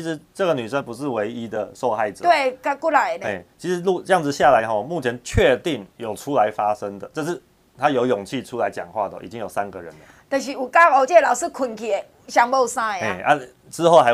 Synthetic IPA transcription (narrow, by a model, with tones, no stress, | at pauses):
i˥ʂɻ̩˧˦ʈ͡ʂɤ˥˩ɡə˩ny˨˩ʂə˦˥ŋpu˧˥ʂɻ̩˥˩we˧˥ɪi˦d̪ə˨ʂo˥˧ʊxa˥˩ɪʈ͡ʂ̩˨t̪we˥˩ka˥ku˥˩la˨˦ɪ˨ne˧˥˩t͡ɕʰi˧˥ʂɻ̩˧˦lu˥˧˨ʈ͡ʂɤ˥˧jɑ˥˩ŋd͡zɹ̩˩ɕja˥˨la˧˦ɪxɔ˧mu˥˩t͡ɕʰjɛ˧˦nt͡ɕʰɥɛ˥˧t̪i˥˩ŋjo˨˩ʊʈ͡ʂʰu˥la˧˦ɪfa˦ʂə˦ŋd̪ə˨ʈ͡ʂə˥˧ʂ̬ɻ̩˥˩ | t̪ʰa˥jo˧˥ʊjʊ˨˩ŋt͡ɕʰi˥˨ʈ͡ʂʰu˥la˧˦ɪt͡ɕjɑ̰˨˩ŋxwa̰˥˩d̪ə˩ʔḭ˨˩t͡ɕi˦ŋjo˨˩ʊsa˦˥nɡə˨ɻə̰˦lə˩˦t̪ə˨˩ɕi˧u˨˩ka˥˩o˧ʊt͡ɕjɛ˥˩lɑ˨˩ʊʂɹ̩˥˧kʰwə˨˩nkʰɛ˨˩ | ɕja˥ŋbo˥˧ʊsa˥e˥˨˩a˥˩ | ʈ͡ʂɻ̩˥xo˥˩ʊxa˧˦ɪ